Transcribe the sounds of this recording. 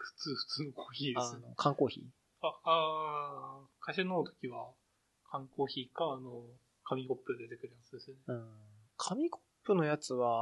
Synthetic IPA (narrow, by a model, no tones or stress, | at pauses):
ɸɯ̟̥t͡sɨːɸɯ̥t͡sɨːnokʰoːçiːd̪asno̞kʰãŋko̞ːçḭː | aa | kʰaɕinoːt̪o̥kʲiβa | kʰãŋko̞ːçiːkaːno | kʰamʲiko̞pːɯd̪e̞t̪e̞kɯ̟ɾjaat͡sɨd̪e̞sɨneɯ̟̃ːɴkʰamʲikopːɯ̟no̞jat͡sɨβa